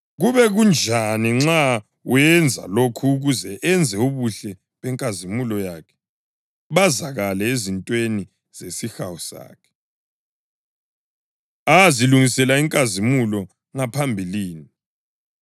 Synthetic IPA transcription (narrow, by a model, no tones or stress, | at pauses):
ɣuβɛɣund͡ʒʱaniŋ͡ǁa | wɛnd͡zʱa̰lokʰuːɣuzɛʔɛnd͡zʱɛuβuɬɛ | βɛŋkʼazimulɔjakʰɛ̥ | βazaɣalɛezintʼweni | z̥esixawɔsa̰ːkʰɛ̥ | aziluŋisɛlaiŋkʼazimulɔ | ŋapʰambʱiliːni